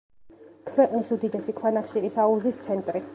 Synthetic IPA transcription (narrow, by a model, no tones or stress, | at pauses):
kʰvɛqʼnisud̪id̪ɛsikʰwanaχʃiɾisauzist̪sʰɛnt̪ʼɾi